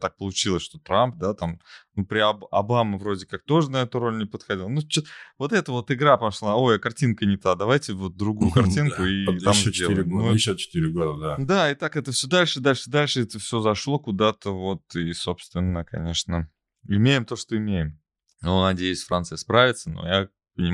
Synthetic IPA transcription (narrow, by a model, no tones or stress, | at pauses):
t̪ak̚pəlˠʊt͡ɕilˠəsʂt̪o̞t̪ɾamp̚d̪at̪amnupɾʲɪɐɐbamɨvɾo̞dʲɪkak̚t̪o̞ʐənɐɛt̪ʊɾo̞lʲnʲɪpət̪xɐdʲilˠənut͡ɕot̪vo̞t̪ɛt̪əvo̞t̪ɨɡɾapɐʂlˠaojɐkɐrtʲinkənʲɪt̪ad̪ɐvajtʲɪvo̞t̪̚d̪ɾʊɡujʊkɐrtʲinkʊiamzd̪ʲelɾɪɡ̪uat͡ɕɪ̥t̪iɾʲɪɡod̪əd̪ad̪aɪt̪akɛt̪əfsʲɵd̪alʲʂɨɨd̪alʲʂsd̪alʲʂɨɛt̪əfsʲɵzɐʂlˠo̞kʊd̪at̪əvo̞t̪iso̞pst̪vʲɪnːəkɐ̰nʲe̞ʂnə | ɪmʲejɪmt̪o̞ʂt̪oɪmʲejɪm | nonɐdʲejʉsʲfɾʔa̰nt̪sɨjəspɾavʲɪt̪səno̰ja | pənʲɪ